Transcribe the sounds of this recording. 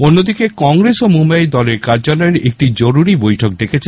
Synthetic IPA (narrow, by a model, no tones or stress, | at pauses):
onːod̪ikekɔŋɾesomumbajd̪ɔleɾkaɾd͡ʑalɔeɾek̚ʈid͡ʑoɾuɾibojʈʰok̚d̪ekʰet͡ɕʰe